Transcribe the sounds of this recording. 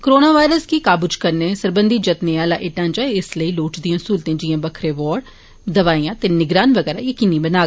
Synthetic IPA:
kɾoːnaːʋaːɪɾəskiːkaːbʊt͡ʃkəɾneːsəɾbə̃nd̪iːd͡ʒət̪neaːlaːʔɪʈãːnd͡ʒaːɪsləiːloːʈd̪ĩjãːsuːlt̪ẽːd͡ʒɪjãːbəkʰɾeːʋɔːɽ | d̪əʋaːiːãːt̪eːnɪɡɾaːnʋəɡɛːɾaːjəkiːniːbənaːɡ

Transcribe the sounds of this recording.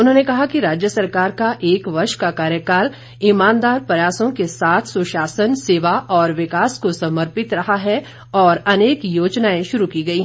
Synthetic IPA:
ʊnɦõːnekɐɦakiɾaːd͡ʒjəsɐɾkaːɾkaʔeːkʋɐɾʃkakaːɾjəkaːl | ɪmãːnd̪aːɾpɾɐjaːsõkesaːt̪ʰsʊʃaːsənseːʋaʔɔːɾʋɪkaːskosɐməɾpɪt̪ɾɐɦaɦɛ | ɔːɾɐneːkjoːd͡ʒnaːẽʃʊɾukiːɡɐiɦɛ̃

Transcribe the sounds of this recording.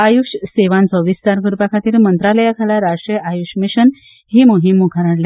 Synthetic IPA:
ajuɕseʋãnt͡səʋist͡saɾɡuɾupakʰat̪iːɾmənt̪ɾaləjakʰalaɾaʂɾəajuɕmiɕən | ɦiːmoɦimːukʰaɾaɽla

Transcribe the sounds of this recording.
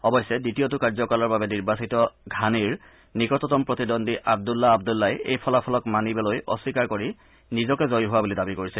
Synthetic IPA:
ɔbɔjsːɛditijotʊkaɹzɔkalɔɹbabɛniɹbasitɔɡʱaniɹ | nikɔtɔtɔmpɹɔtidɔndiʔab̚dulːaːbdulːajejpʰɔlapʰɔlɔkmanibɛlojʔɔ̰sikaɹkoɹi | nizɔkɛzojɦʊwabulidabikoɹisɛ

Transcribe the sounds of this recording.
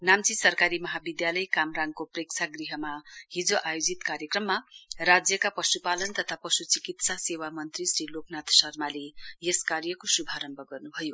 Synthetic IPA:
namt͡sisʌrkaɾimʌɦabid̪jalʌjkamraŋkoprek̚t͡sʰaɡriɦʌmaɦid͡zoʔajod͡zit̪kaɾjʌkrʌmːarad͡zjʌkapʌsupalʌnt̪ʌt̪ʰapʌsut͡sikit̪sasewamʌnt̪risɾiloknat̪sʌrmalejeskarjʌkosubʱaɾʌmbʱʌɡʌrnubʱʌjo

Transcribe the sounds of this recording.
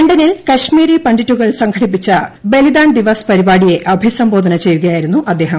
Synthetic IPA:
eɳɖɐnilkɐɕmiːɾipɐɳɖitːuɣɐɭsɐŋɡʰɐɽipːit͡ɕːɐbe̞lid̪aːɳd̪iʋɐspɐɾibaːɽije̞ʔɐbʱisɐmbo̞ːd̪ʱɐnɐt͡ɕe̞jːuɣɐjaːjiɾunːuʔɐd̪ːe̞ːɦɐ

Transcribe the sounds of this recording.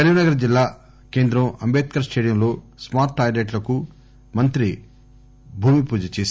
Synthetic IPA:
ɐɾiʋinɐɡɐɾɐd͡ʒilːaː | ke̞ːnd̪ɾɐmɐmbeːt̪̚kɐɾɐst͡ʃeːɽjɐmlo̞ː | smaːɾʈ̪ʰːaːɾeːʈlɐku | mɐnt̪ɾi | bʱuːmipuːd͡ʒɐt͡ʃeːs

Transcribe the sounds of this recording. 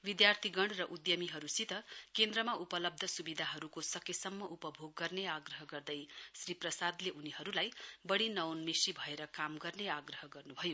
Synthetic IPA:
bid̪jart̪ʰiɡʌɳɖrʌʔud̪jʌmiɦʌɾusit̪ʌkend̪rʌmaupʌlʌb̚d̪ʱʌsubid̪ʱaɦʌɾukosʌkesʌmːʌʔupʌbʱoɡːʌrneaɡrʌɦʌɡʌrd̪ʌjsriprʌsad̪leʔuniɦʌɾulajbʌɽinʌwnmisibʱʌeɾʌkamɡʌrneaɡrʌɦʌɡʌrnubʱʌjo

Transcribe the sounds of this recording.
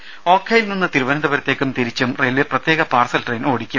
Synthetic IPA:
o̞ːkʰːɐjilninːɨt̪iɾuʋɐnɐd̪ɐbɐɾɐt̪ːe̞ːkʲːumt̪iɾit͡ɕːumreːlʋeprɐt̪jeːɣɐpaːrsɐlʈrejno̞ːɽikʲːum

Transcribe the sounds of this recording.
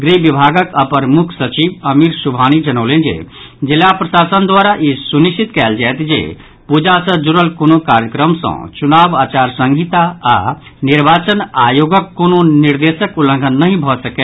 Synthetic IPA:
ɡɾibibʱaɡəkəpəɾmukʰsət͡ʃibəmiɾsubʱanid͡ʒənəʊlend͡ʒḛ | d͡ʒilːapɾəsasənd̪waɾaʔisuniʃʰit̪kɛld͡ʒajt̪d͡ʒḛ | pud͡ʒasə̃d͡ʒuɾəlkonokaɾjəkɾəmsə̰̃t͡ʃunabat͡ʃaɾsə̃ŋɡʱit̪a̰ː | niɾbat͡ʃənajoɡəkːononiɾd̪esəkulə̃ŋɡʱənːəɦĩbʱɔsəke

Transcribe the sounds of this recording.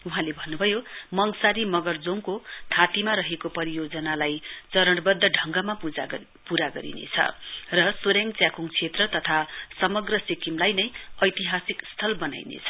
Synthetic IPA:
uɦãlebʱʌnːubʱʌjomʌŋsaɾimʌɡʌrd͡zoŋkot̪ʰat̪imaɾʌɦekopʌɾijod͡zʌnalajt͡sʌɾʌɽbʌd̪ʱːʌɖʱʌŋɡʌmaa | puɾaɡʌɾḭnḛt͡sʰʌ̰rʌsoɾeŋt͡sjakuŋt͡sʰet̪rʌt̪ʌt̪ʰasʌmʌɡrʌsikimlajnʌjʌjt̪iɦasikst̪ʰʌlbʌna̰jnḛt͡sʰʌ̥

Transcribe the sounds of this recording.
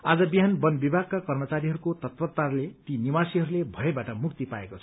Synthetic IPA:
ad͡zʌbiɦanbʌnbibʱaɡ̚kakʌrmʌt͡saɾiɦʌɾukot̪ʌt̪pʌt̪ːarlet̪inimasiɦʌɾulebʱʌebaʈʌmukt̪ipaekot͡sʰʌ̥

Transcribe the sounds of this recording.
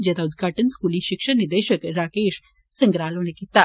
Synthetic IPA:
d͡ʒɛːd̪aʊd̪ɡʱaːʈənskuːliʃɪkʃəɾnɪd̪eːʃəkɾaːkeːʃ | sɐ̃ŋɡɾaːlõnekiːt̪aː

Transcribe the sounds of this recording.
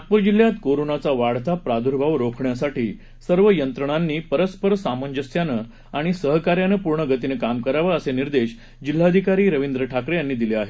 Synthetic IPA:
at̪̚puɾd͡ʑil̤ːjat̪koɾonat͡saʋaɽ̤t̪apɾad̪ʱuɾbʱaʋɾokʰɳjasaʈiː | səɾʋəjənt̪ɾəɳ̃anːiːpəɾəspəɾsaməɲd͡ʑəsjanə | aɽ̃isəɦkaɾjanəpuɾɳəɡʱət̪inəkamkəɾaʋəəseniɾd̪eɕ | d͡ʑil̤ːaəd̪ʱikaɾiːɾəʋind̪ɾəʈʰakɾejanːiːd̪ileaɦe

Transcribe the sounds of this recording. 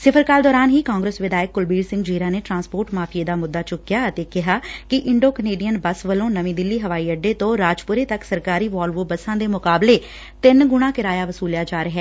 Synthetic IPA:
sɪpʰəɾkaːld̪ɔːɾaːnɦiːkaːŋɡɾəsʋɪd̪aːjəkːʊlbiːsɪ̃ŋɡd͡ʒiːɾãːneːʈɾãːnspoːɾʈmaːpʰieːd̪aːmʊd̪ːaːt͡ʃʊkːjaːət̪eːkɪɦaːkɪʔɪɳɖoːkəneːɖijənbəsʋəlõːnəʋĩːd̪ɪlːiːɦəʋaːiːəɖeːt̪õːɾaːd͡ʒpʊɾeːt̪əksəɾkaːɾiːʋaːlʋoːbəsãːd̪eːmʊkaːbleː | t̪ɪnɡʊɽ̃ãːkɪɾaːjaːʋəsuːljaːd͡ʒaːɾəɦɛː

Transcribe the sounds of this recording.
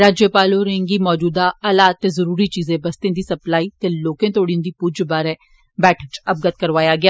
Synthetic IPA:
ɾaːd͡ʒjəpaːloːɾẽŋɡiːmɔːd͡ʒuːd̪aːəlaːt̪ːeːzəɾuːɾiːt͡ʃiːzẽːbəst̪ẽːd̪iːsəplaːiːt̪eːloːkẽːt̪ʰoːɽiõːd̪iːpud͡ʒbaːɾɛː | bɛːʈʰət͡ʃəp̚ɡət̪̚kəɾʋaːjaːɡɪaː

